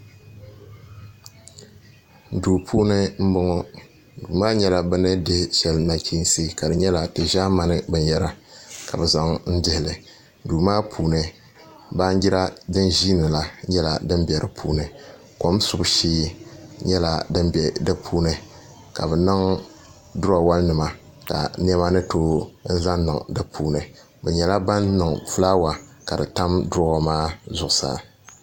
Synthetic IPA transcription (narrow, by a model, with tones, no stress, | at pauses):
duː˨pʰuː˦nɨ˦m̩˦bʊ˦ŋɔ˦ | duː˨maː˦ɲɛ˦la˨bɨ˦nɨ˦dɨ˦ʃɛ˨lna˨kiː˦n˦si˦ka˨dɨ˨ɲɛ˦la˨tɨ˨ʒa˦ma˦nɨ˦bɨ˨njɛ˦ɾa˦ka̰˨bɨ˨za˨ŋn̩˦dɨ˦hɪ˨lɨ˨ | duː˨maː˦pʰuː˨nɨ˨ | ba˦ɲ˦ɡɪ˦ɾa˦dɨ˦nʒiː˦nɨ˨la˦ɲɛ˦la̰˨dɨ˦nbɛ˨ɾɨ˨pʰuː˦nɨ˨ | ko˨˦msʊ˨bʃeː˦ɲɛ˦la˨dɨ˦mbɛ˨dɨ˦pʰuː˦nɨ˨ | ka˨bɛ˨nɨ˦ŋ | dʊ˦ɾa˨wa˦lnɨ˨ma˨ | ka̰˨n˦ɛ˦ma˦nɨ˦toː˦n̩˦za˦nnɨ˨ŋdɨ˦pʰuː˦nɨ˨ | bɛ˨ɲɛ˨la˦ba˦nnɨ˨ŋfu˦la˦wa˨ka˨dɨ˨ta˦mdʊ˦a˨maː˦zʊ˨ʔʊ˨sa̰˦